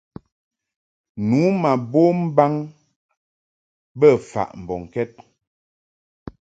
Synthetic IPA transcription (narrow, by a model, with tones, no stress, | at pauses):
nuː˨˦ma˨bo˦m̩˦ba˦ŋ | bə˦˨fa̰˨ʔm̩˨bɔ˨ŋ̩˨kɛ˦t̚